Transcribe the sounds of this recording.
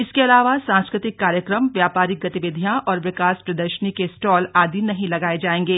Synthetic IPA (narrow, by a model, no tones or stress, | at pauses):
ɪskeɐlaːʋasãːnskɾɪt̪ɪkːaːɾjəkɾəmʋjaːpaːɾɪk̚ɡɐt̪ɪʋɪd̪ʱijãʔɔːɾʋɪkaːspɾɐd̪əɾʃənikesʈɔːlaːd̪ʱinɐɦĩlɐɡaːed͡ʒaːẽːŋɡeː